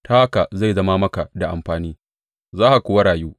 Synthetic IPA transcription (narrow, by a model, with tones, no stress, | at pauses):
taː˦ha˦ka˨za˦˨zɐ˦maː˦mɐ˦ka˨da˨ʔa˨mɸaː˨niː˦ | zaː˦ʔa˨kʷʊː˨wa˦ɽaː˨juː˦